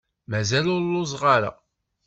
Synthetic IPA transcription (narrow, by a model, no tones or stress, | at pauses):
mæzælʊɾlʊzˤʁaɾa̰